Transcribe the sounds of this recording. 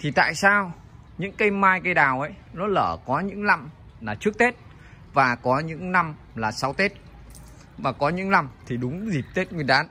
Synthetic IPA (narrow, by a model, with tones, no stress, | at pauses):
t̪ʰi˨˩t̪a̰ː˧˨jsaː˧w | ɲɨ̰˧˥ŋkə˧jmaː˧jkə˧jɗaː˨˩wʔə˨˦jnɔ˨˦ləː˧˩kɔ˨˦ɲɨ̰˧˥ŋla˧m | laː˨˩t͡ɕɨ˦˥ək̚t̪e˦˥t̚ | vaː˨˩kɔ˨˦ɲɨ̰˧˥ŋna˧m | laː˨˩sa˨˦wt̪e˦˥t̚ | vaː˨˩kɔ˨˦ɲɨ̰˧˥ŋla˧˩mt̪ʰi˨˩ɗʊ˨˦ŋ͡mzi˨˩p̚t̪e˦˥t̚ŋɨ˨˩əjɗaː˨˦n